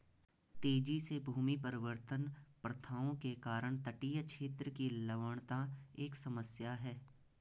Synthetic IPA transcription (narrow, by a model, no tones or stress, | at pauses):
t̪eːd͡ʒisebʱuːmipɐɾɪʋəɾt̪ənpɾɐt̪ʰaːõkekaːɾəɽ̃t̪əʈiːjət͡ʃʰeːt̪ɾəkilɐʋəɽ̃t̪aeːksɐməsjaɦɛː